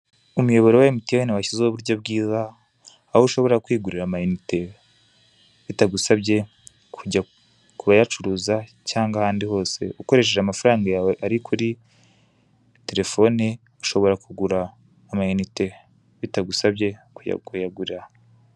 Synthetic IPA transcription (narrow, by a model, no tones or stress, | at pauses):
umujo̞βo̞ɾewajemitiawenewaçizeoβuɾɟo̞b̚ɡiːzaː | houʃo̞βo̞ɾɾakwiːɡuɾiɾamajunite̞ | βitaɡusaβɟe̞ | kʰuɟa | kuβajat͡ʃuɾuːza | caːŋɡahaːndiho̞ːse̞̰ʔuko̞ɾe̞ʃ̬eʒamafaɾaːŋɡaaɾikʰuɾi | te̞ɾe̞fo̞ni | u̥ʃo̞βo̞ɾakuɡuɾaː | majunite | βitaɡusabɟe̞kuja̰ɡujaɡuɾiɾa